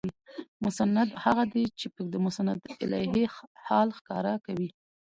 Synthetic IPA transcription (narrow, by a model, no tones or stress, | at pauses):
imʊsanːad̪haɣad̪et͡ʃepəd̪əmʊsanad̪ɪ̰lɑ̰ɦehɑlxkɑɾakawi